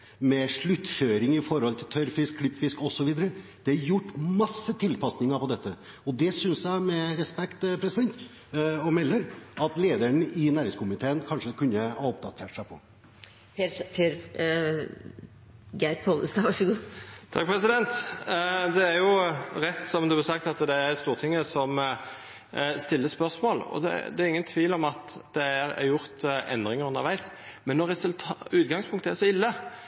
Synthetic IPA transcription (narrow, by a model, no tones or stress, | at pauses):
mɛʂɭʉt̪ːføːɾɪŋɪfɔɾhɔlt̪ʰɪlt̪ʰœɾfɪskʰːlɪpt̪fɪskɔsːɔʋiːd̪əɾəd̪̥ɛɑjʊʈːmɑsːət̪ʰɪlpɑsnɪŋəɾpɔd̪ɛt̪ʰːə | ɔd̪ɛsʏnsjæɪmɛɾɛspɛkt̪pʰɾɛsɪd̪ɛnt̪ | ɔmɛlːəɾɑt̪leːd̪əɳəʔɪnæːɾɪŋskʰʊmɪt̪ʰeːənkʰɑnʂəkʰʉnːəhɑɾɔpd̪ɑt̪ʰeːʈsæɪpʰɔ̰ | pʰepeɾ | ɡæpʰoləst̪ɑʋɑʂəɡuːt̪ʰɑk̚pʰɾɛsɪd̪ɛnt̪ | d̪ɛːɾjʊɾɛt̪ːsɔmd̪ʉb̪sɑkt̪ɑt̪d̪ɛæɾst̪uːʁt̪ʰɪŋːəsɔm | st̪ɪlːəspœʁʂmoːlɔ̰d̪ɛ̰d̪ɛæɾɪŋːənt̪ʰʋiːlɔmɑt̪d̪̥ɛæɾɛ̰jʊɾt̪ɛ̰nd̪ɾɪŋəɾʉnːə̰ɾʋæɪs | mɛnːɔɾɛsʉlt̪ʰʉːt̪̚ɡɑŋspʰʊŋkt̪əæʂɔɪlːə